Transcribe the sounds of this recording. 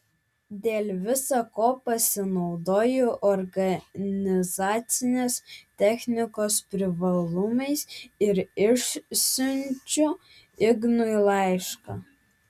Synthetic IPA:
d̪ʲeːlʲʋʲɪsɐkoːpɐsʲɪnɒʊd̪oːjʊʔɔɾɡɐnʲɪzɑːt̪sʲɪnʲeːst̪ʲɛxʲnʲɪkoːspʲɾʲɪʋɐlˠʊmɐɪsɪɾɪʃsʲʊnʲt͡ʃʲʊ | ɪɡnʊilˠɑˑɪʃkɑ̰ː

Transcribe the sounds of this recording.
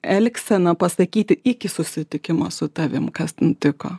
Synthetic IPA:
ɛlʲksʲɛnɐpɐsɐkʲiːt̪ʲɪɪkʲɪsʊsʲɪt̪ʲɪkʲɪmɐsʊt̪ɐʋʲɪmkɐst̪ʲɛnt̪ʲɪko̰ː

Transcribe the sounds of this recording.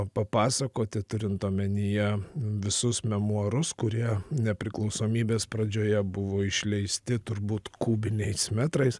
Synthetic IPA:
pɐpɑːsɐkoːt̪ʲɪt̪ʊɾʲɪnt̪oːmʲɛnʲɪjɛʋʲɪsʊsmʲɛmuɔɾʊskʊɾʲiɛnʲɛpʲɾʲɪklˠɒʊsoːmʲiːbʲeːspɾɐd͡ʒʲoːjɛbʊʋoːɪʃʲlʲɛɪsʲt̪ʲɪt̪ʊɾbuːt̪kuːbʲɪnʲɛɪsmʲɛt̪ɾɐɪs

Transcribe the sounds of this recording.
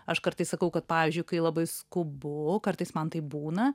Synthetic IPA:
ɐʃkɐɾt̪ɐɪssɐkɐʊkɐt̪̚pɑːʋʲizʲd͡ʒʲʊɪkɐɪlˠɐbɐɪskʊbʊkɐrt̪ɐɪsmɐnt̪ɐɪbuːnɐ

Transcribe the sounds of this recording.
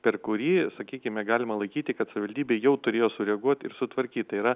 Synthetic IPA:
pʲɛrkʊɾʲiːsɐkʲiːkʲɪmʲɛɡɑːlʲɪmɐlˠɐɪkʲiːt̪ʲɪkɐt̪sɐʋʲɪʋɐlʲd̪ʲiːbʲeːjɛʊt̪ʊɾʲeːjoːsʊɾʲɛɐɡuɔt̪ɪ̰ɾsʊt̪ʋɐɾʲkʲiːt̪tɐɪiːɾɐ

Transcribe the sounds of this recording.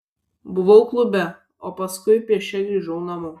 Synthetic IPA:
bʊʋɐʊklˠʊbʲɛ | oːpɐskʊɪpʲiɛʃʲɛɡɾʲiːʒɐʊnɐmʊ

